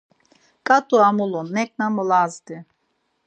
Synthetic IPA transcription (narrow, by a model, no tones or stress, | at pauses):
kʼat̪ʼuamulˠunːɛk̚ʼnamɨlazd̪i